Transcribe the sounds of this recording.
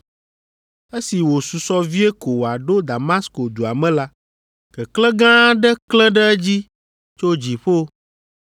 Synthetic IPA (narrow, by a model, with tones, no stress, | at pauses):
e˦si˨wo˨su˨sɔ˦vi˦e˦ko˨wa˨ɖo˦d̪a˨ma˦sko˨d̪u˨a˨mɛ̃˦la˦ | kɛ˨klɛ˦ɡã˦ɖɛ˦klɛ̃˦ɖɛ˦d͡ʑi˦ | t͡ʃo˦d͡ʑi˨ɸo˦